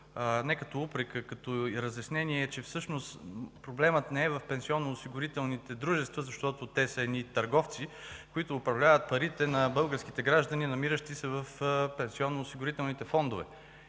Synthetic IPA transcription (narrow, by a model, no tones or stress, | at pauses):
nɛkɐt̪ɔupɾɛkəkɐt̪ɔɾəzjɐsnɛniɛːt͡ʃɛfsɤʃnost̪pɾoblɛmət̪nɛɛvɐfpɛnsiɔnːoːsiɡʊɾit̪ɛlˠnit̪ɛd̪ɾuʒɛst̪vəzɐʃt̪ɔt̪ot̪ɛsəɛd̪nit̪ɐɾɡɔft̪sikʊit̪ʊːpɾɐvlʲavət̪̚pɐɾit̪ɛnɐbɤlˠɡəɾskit̪ɛɡɾaʒd̪ɐninɐmiɾəʃt̪isɛvəfpɛnsiɔnːoːsiɡʊɾit̪ɛlˠnit̪ɛfɔnd̪ʊvɛ̰